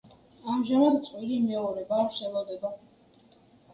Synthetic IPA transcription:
amʒamad̪t̪sʼwilimɛɔɾɛbaːkʰsɛlˠɔd̪ɛba

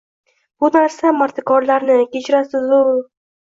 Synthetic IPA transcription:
b̥ʊnaɾsamaɾt̪ʰɪkɒɾlaɾnɪkʲet͡ʃɾasɪzʊl

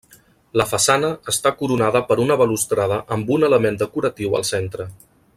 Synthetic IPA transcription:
ləfəsanəəst̪akuɾunaðəpəɾunəβəlust̪ɾað̞əʔəmbunələmend̪əkuɾət̪iwə̰lˠsent̪ɾə

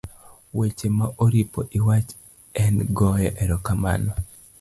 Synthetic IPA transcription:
wet͡ʃemaʔoɾipoʔiwat͡ʃ | ɛnɡɔjɔʔɛɾɔkama̰nɔ

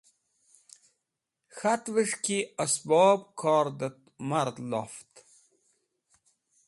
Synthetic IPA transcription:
xat̪ʋəʂkiəsbɔːbkʰɑːɾd̪ət̪ | maɾd̪lo̰ft̪

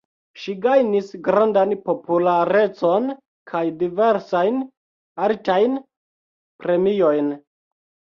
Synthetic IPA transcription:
ʃiɡajnisɡɾandanpo̞pulaɾe̞t͡so̞n | kʰajdive̞ɾsajn | aɾtajn | pɾe̞mio̞jn

